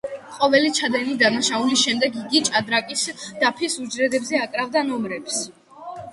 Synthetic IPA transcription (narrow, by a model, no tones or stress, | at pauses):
qʼɔvɛlit͡ʃʰad̪ɛnid̪anaʃaulisʃɛmd̪ɛɡiɡit͡ʃʼad̪ɾakʼisd̪̥apʰisud͡ʒɾɛd̪ɛbzɛakʼɾavd̪anɔmɾɛps